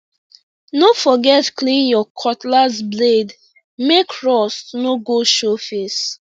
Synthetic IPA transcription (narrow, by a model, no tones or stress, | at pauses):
nofɔɡɛtklĩnjɔkʰɔtlazbled | mekɹɔstnoɡoʃofes